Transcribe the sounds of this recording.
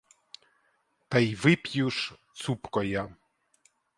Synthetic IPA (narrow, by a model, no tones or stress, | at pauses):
t̪ajʋɪpʲjuʂt̪supkɔja